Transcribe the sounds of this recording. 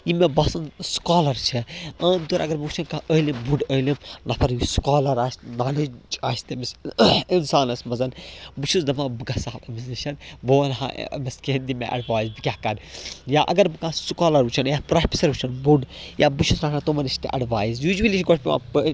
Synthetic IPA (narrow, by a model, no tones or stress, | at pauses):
jimebɐsɐnskaːlɐɾt͡ʃʰiɐ̃ːd̪oɾʔɐ̰ɡɐɾmɐut͡ʃʰɐnkaəːlimbuɖəːlimnɐpʰɐɾjuskaːlɐɾaːsʲnaːled͡ʒd͡ʒaːst̪emsinsaːnɐsmɐzɐnbɨt͡ʃʰuzd̪ɐmãːbɨɡɐsaːbɐmizniʃɐnboːɐnɦã̰mɐskeːnd̪imḛ̃ʔɐ̰ɖʋaːjizbikʲakɐnjaːʔɐ̰ɡɐɾbɨkãːsukaːlɐɾut͡ʃʰɐnjapɾaːpʰʲisɐɾut͡ʃʰɐnbuɖjʔaːbɨt͡ʃʰusɾaːnãt̪omɐnɐʃt̪ḛʔɐɖʋaːjizjuːd͡ʒʋɐlit͡ʃʰɡoʈʰpʲima̰pː